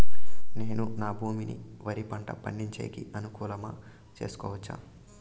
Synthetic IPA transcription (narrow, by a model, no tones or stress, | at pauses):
ne̞ːnunaːbʱuːminḭ | ʋɐɾipɐɳʈɐ̰pɐɳɖiɲt͡ʃeːkiɐnukuːlɐmɐ | t͡ʃe̞̰ːsu̥kɔ̰ːʋɐt͡ʃːa̰ːm